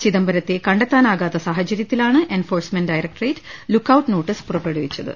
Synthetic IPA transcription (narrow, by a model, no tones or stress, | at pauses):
t͡ɕiðɐmbɐɾɐt̪ːekɐɳɖɐt̪ːaːnaːɣaːt̪ːɐsaːɦɐt͡ɕɐɾjɐt̪ːilaːɳɨʔe̞nfo̞ːrsmenɖɐjɾɐk̚ʈreːtlukːɐwʈːno̞ːʈːispurɐpːeɽuʋit͡ɕːɐðɨ̰